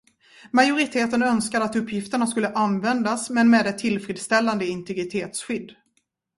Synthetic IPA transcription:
majʊɾɪt̪ʰeːt̪ənœnskad̪əat̪ɵpʰːjɪft̪əɳaskɵlːəʔanvɛnd̪asmɛnmɛːd̪ɛt̪ʰːɪlfɾiːd̪st̪ɛlːand̪əɪnt̪ɛɡɾɪt̪ʰeːt̪sɧʏd̪ː

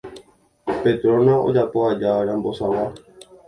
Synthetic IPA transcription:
pet̪ɾõnãʔo̰d͡ʒapoad͡ʒaɾãmbo̞sãʋa

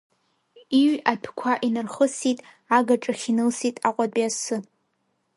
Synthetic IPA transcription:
iɥapʰkʷʰaʔinɨrχəsitʼ | aɡaʈ͡ʂʼaχʲinɨlsitʼaqʷʼadʷʼasɨ

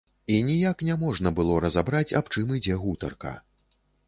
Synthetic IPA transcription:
inʲijaknʲɛmɔʐnɐbɨlˠɔɾɐzabɾat͡sʲa̰pt͡ʂɨmɨd͡zʲɛɣut̪ɐrkɐ̰

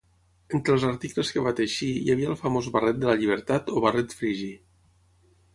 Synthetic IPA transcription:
ent̪ɾəlˠzaɾt̪ikləskəβat̪əʃijaβiəlˠfəmozβarɛt̪̚d̪ələʎiβ̞əɾt̪at̪oβarɛt̪fɾiʒi

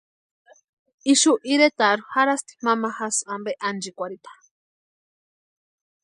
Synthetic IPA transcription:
iʃuʔiɾet̪aɾuhaɾast̪i̥mamaxasambeʔand͡ʒikʷaɾit̪ḁ

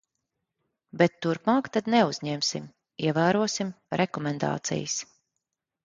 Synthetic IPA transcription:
bɛt̪ːuɾpmaːkt̪ad̪nɛuzɲɛmsḭm | iɛvæːɾuɔsim | ɾʔɛkɔmɛnd̪a̰ːt̪sḭjɨs

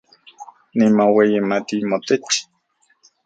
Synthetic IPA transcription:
nimowejimat̪imot̪et͡ʃi̥

